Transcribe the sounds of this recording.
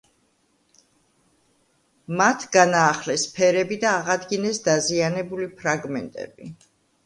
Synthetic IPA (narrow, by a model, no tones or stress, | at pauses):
mat̪ʰɡanaːχlɛspʰɛɾɛbid̪aːʁad̪ɡinɛsd̪azianɛbulipʰɾaɡmɛnt̪ʼɛ̰b̥i